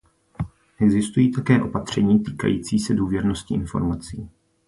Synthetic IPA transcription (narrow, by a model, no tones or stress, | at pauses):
ʔɛɡzɪst̪ujiːt̪akɛːʔo̞pat̪r̝̥ɛɲiːt̪iːka̰jḭːt͡siːsɛduːvjɛɾno̞scɪʔɪnfo̞̰ɾmat͡siː